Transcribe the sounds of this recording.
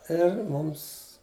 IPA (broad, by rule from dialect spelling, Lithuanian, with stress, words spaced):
ˈɪr ˈmʊms